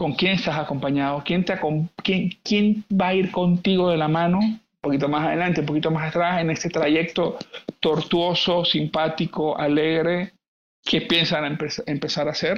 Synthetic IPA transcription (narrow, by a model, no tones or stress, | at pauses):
ko̞ŋkje̞nest̪asako̞mpaɲað̞o̞kje̞nt̪eakomkjeŋkje̞nbaiɾko̞nt̪iɣo̞ð̞e̞lamãno̞umpo̞kit̪o̞masaðe̞lant̪eump̬o̞kit̪o̞masat̪ɾase̞ne̞st̪e̞t̪ɾaʝe̞k̚t̪o̞t̪o̞ɾt̪wo̞so̞simpat̪iko̞ʔa̰le̞ɣɾe̞ | kʰe̞pje̞nsanapesempe̞saɾaseɾ